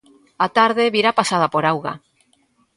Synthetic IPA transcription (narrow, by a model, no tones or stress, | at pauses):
at̪aɾð̞eβiɾapasað̞apoɾawɣa̰